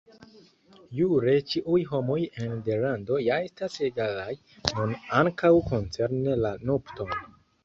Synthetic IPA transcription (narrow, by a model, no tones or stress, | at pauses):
juɾe̞t͡ʃiʔujɦo̞mo̞jendelando̞jaestaseɡalaj | nunaŋkawko̞nt͡se̞ɾnelanopto̞n